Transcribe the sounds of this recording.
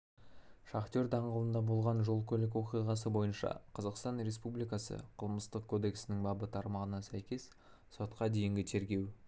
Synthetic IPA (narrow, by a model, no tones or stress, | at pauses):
ʃɑχt̪ʲo̞ɾd̪ɑɴʁəlˠənd̪ɑbolˠʁɑnʒo̞lˠkʲʰɵlɪkwo̞qijʁɑsəbo̞jənʃɑ̰qʰɑzɑqst̪ɑnɾe̞spublijkɑsə̰qʰəlˠməst̪əq̚kʰːo̞d̪e̞ksɪnɪŋbɑbət̪ʰɑɾmɑʁənɑsæjkʲe̞s | so̞t̪qɑd̪e̞jɪŋɡʲɪt̪ʰe̞ɾɡʲe̞w